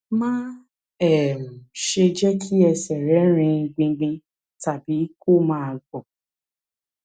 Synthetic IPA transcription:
mãː˦ | ɛ˦˨m̩˨ʃe˧d͡ʒɛ˦kʰi˦ɛ˧sɛ˨ɾɛ˨˦ɾ̃ĩ˧ɡ͡bĩ˧ɡ͡bĩ˧ | ta˨bi˨˦ko˦˨mãː˦˨˧ɡ͡bɔ˨

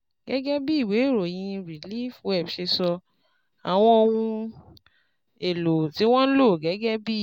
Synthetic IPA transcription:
ɡ̥ɛ˨˦ɡɛ˦bi˦i˦˨we˨˦i˦˨ɾo˨j̃ĩ˧ɾi˨li˦˨fũ˦ɛ˦˨bʃe˧sɔ˧ | a˨w̃ɔ̃˧o˧wũ˧ | e˨lo˨ti˨˦w̃ɔ̃˦n̩˦lo˦˨ɡɛ˨˦ɡɛ˦bi˦˨

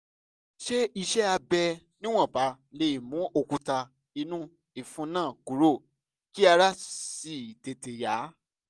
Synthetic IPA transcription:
ʃe˦i˧ʃɛ˦a˧bɛ˧ | nĩ˦w̃ɔ̃˦˨ba˨˦ | le˧i˨mũ˨˦ʔo˧kũ˧ta˧ | i˧nũ˦ | i˦˨fũ˨˦nãː˦˨ku˨˦ɾo˦˨ | ki˦a˧ɾa˦si˨te˨te˨ja˨˦

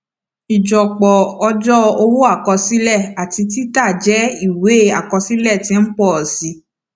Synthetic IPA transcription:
i˨d͡ʒɔ˨k͡pɔ˨ɔ˧d͡ʒɔ˦o˧wo˦a˦˨kɔ˧si˦lɛ˦˨a˨ti˧t̬i˦ta˦˨d͡ʒɛ˨˦i˦˨we˨˦a˦˨kɔ˧si˦lɛ˦˨tĩ˧˦k͡pɔ˦ɔ˨si˨˧˦

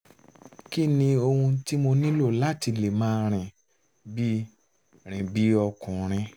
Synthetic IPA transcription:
ki˦nĩ˧o˧hũ˧ti˦mo˧nĩ˦lo˦˨la˦˨ti˧le˨mãː˦ɾ̃ĩ˨ | bi˦ | ɾ̃ĩ˨bi˨˦ɔ˧kũ˨ɾ̃ĩ˧

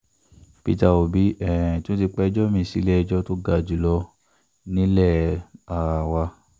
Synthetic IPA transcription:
pi˦˧ta˧o˨bi˨˦ʔɛ̃˨tũ˦ti˧k͡pɛ˦d͡ʒɔ˦mĩ˧si˧˦lɛ˦ɛ˧d͡ʒɔ˦to˦ɡa˧˨d͡ʒu˨lɔ˧ | nĩ˦lɛ˦˨a˨wa˧

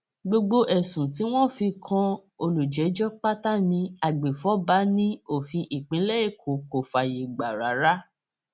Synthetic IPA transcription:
ɡ͡bo˧ɡ͡bo˧ʔɛ˨sũ˨t̬i˨˦w̃ɔ̃˦fĩ˧kʰã˧o˧lu˨d͡ʒɛ˨˦d͡ʒɔ˦k͡pa˦ta˦nĩ˧˦a˨ɡ͡be˨fɔ˨˦ba˨˦nĩ˦o˦˨fĩ˧ʔi˨k͡pĩ˨˦lɛ˦e˦˨kʰo˨ko˨fa˧˨je˨ɡ͡ba˨ɾa˨˦ɾa˦

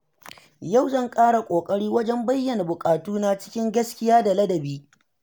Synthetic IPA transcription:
ja˦˨wzɐ˦˨ŋkʼaː˦ɽa˨kʷʼoː˨kʼɐ˦ɽiː˦wɐ˦d͡ʒɛ˦mbɐ˦jːɐ˨na˨bʊ˨kʼaː˨tuː˦na˦t͡ʃɪ̥˦kʲɪ˦ŋɡɐ˦skʲɪ˦jaː˦da˨lɐ˦dɐ˨biː˦

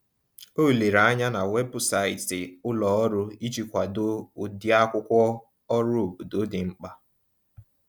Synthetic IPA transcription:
o˦˨le˨ɾa˨˦ɲa˦na˨we˦bʊ˨sa˨ɪ˨tɪ˨ʊ˦lɔ˨ɔ˦ɾʊ˦i˦t͡ʃi˦kʷa˨dʊ˦ʊ˨di˦a˦kʷʊ˦kʷɔ˦ | ɔ˦ɾʊ˦˨bu˨do˦dɪ˨ŋ͡m̩˦k͡pa˦

